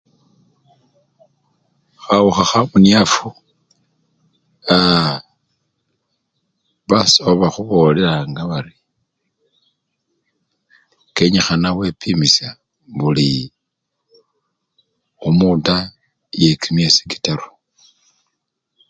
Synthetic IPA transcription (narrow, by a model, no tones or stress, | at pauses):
xawuxaxamuniafu | a | βasoβaxuβo̞le̞ɾaŋɡaβaɾi | keɲixanawe̞pʰimisja | βuli | omuta | je̞kimesi̥ki̥taɾu̥